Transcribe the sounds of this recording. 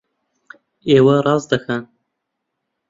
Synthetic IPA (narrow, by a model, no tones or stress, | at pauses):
eːwɐrˤɑːzd̪ɐxa